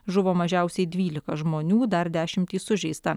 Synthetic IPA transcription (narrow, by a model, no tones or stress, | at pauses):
ʒʊʋoːmɐʒʲɛʊsʲɛɪd̪ʲʋʲiːlʲɪkɐʒmoːnʲuːd̪ɐɾd̪ʲæːʃʲɪmʲt̪ʲiːsʊʒʲɛɪst̪ɐ